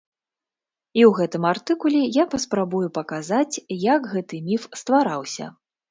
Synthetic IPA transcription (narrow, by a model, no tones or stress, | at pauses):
iwɣɛt̪ɨmart̪ɨkulʲɛjapɐspɾabujupɐkazat͡sʲjɐɡɣɛt̪ɨmʲifst̪vaɾawsʲɐ̰